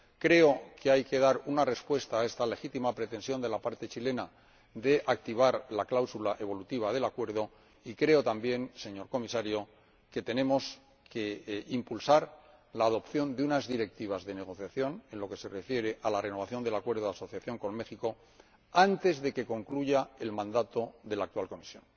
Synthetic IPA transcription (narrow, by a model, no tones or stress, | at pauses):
kɾe̞o̞kʰe̞ajke̞ðaɾunare̞spwe̞st̪aːe̞st̪ale̞xit̪imapɾe̞t̪e̞nsjo̞nd̪e̞lapaɾt̪e̞t͡ʃile̞na | d̪e̞ʔakt̪iβ̞aɾlaklawsulaʔe̞β̞o̞lut̪iβ̞aðe̞lakwe̞ɾð̞o̞ | ikɾe̞o̞t̪ambje̞nse̞ɲo̞ɾko̞misaɾjo̞ | ke̞t̪e̞nẽ̞mo̞s | ke̞impulsaɾlaːðo̞pθjo̞nd̪eunazðiɾe̞k̚t̪iβ̞azðe̞ne̞ɣ̞o̞θjaθjo̞ne̞nlo̞ke̞se̞re̞fje̞ɾe̞ʔalare̞no̞β̞aθjond̪e̞lakwe̞ɾð̞oðaso̞θjaθjo̞ŋko̞nme̞xiko̞ | ant̪e̞zðe̞ke̞ko̞ŋkluʝae̞lmãnd̪at̪o̞ðe̞lak̚t̪uwalko̞misjo̞n